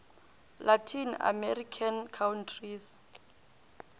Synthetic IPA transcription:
lʔatʰina̰mɛrikʰankʰawntʰris

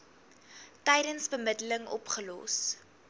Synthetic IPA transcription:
tɛjdənsbəmədələŋɔ̰pχəlɔ̰s

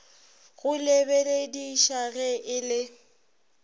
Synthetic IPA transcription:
ɣʊlɪbelediʃaɣɛʔɪlɪ

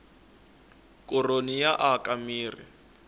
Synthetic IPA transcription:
kʼʊronijaʔakʼamiːrḭ

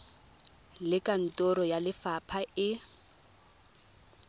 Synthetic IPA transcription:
lɪkʼan̩tʼɔɾɔjalɪfapʰaɪ

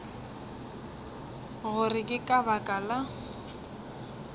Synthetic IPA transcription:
ɣʊrɪkʼɪkʼabakʼala

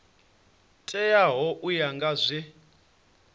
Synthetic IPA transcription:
tʼɛjaɦɔʔujaŋɡazʷɛ

